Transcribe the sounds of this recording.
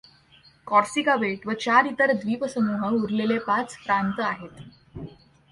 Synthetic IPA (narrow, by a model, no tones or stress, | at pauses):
kɔɾsikaʋeʈʋət͡ɕaɾit̪əɾd̪ʋiːpəsənuɦəuɾlelepat͡spɾant̪əaɦet̪